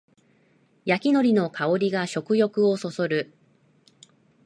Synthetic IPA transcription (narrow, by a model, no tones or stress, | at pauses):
jakʲino̞ɾʲino̞kʰao̞ɾʲiɡaɕo̞kɯ̟jo̞kɯ̟o̞so̞so̞ɾɯ̟